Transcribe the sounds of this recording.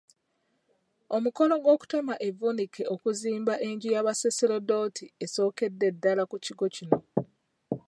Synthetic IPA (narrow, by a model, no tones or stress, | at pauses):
omuko̞no̞ɡwo̞ːku̥temaʔe̞vunikeokuziːmbaʔe̞ɲɟujaβaseseɾodo̞tʰie̞so̞ːke̞dːe̞dːalakuciɡo̞cino̞